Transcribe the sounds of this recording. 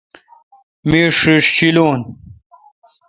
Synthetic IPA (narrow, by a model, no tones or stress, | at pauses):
miːʂiʂɕiloːn